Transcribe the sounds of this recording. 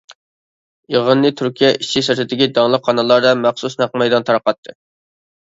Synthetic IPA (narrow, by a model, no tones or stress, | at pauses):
eʁənːɨt̪ʰyɾkʲʰijɛʔit͡ʃʰːisɪɾt̪ʰɪd̪ɪkʲid̪ɑŋlˠəqχɑnɑlˠɑɾd̪ɑmæχsusnæqmɛjd̪ɑnt̪ʰɑɾqɑt̪ʰːɨ